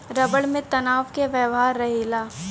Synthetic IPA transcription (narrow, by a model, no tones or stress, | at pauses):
ɾɐbəɽmẽt̪ɐnaːʋkeʋəʋɦaːɾːɐɦilaː